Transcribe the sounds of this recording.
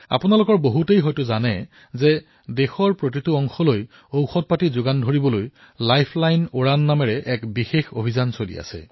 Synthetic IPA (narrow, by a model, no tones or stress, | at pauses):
a̰pʊnalʊkɔɹboɦutejɦɔjtʊzanɛ | zɛ | dexɔɹpɹotituɔŋxɔloj | owxɔt̚patizʊɡandʱoɹibɔloj | lajpʰlajnoɹanːamɛɹɛʔɛkbixexobʱizansolḭa̰sɛ̰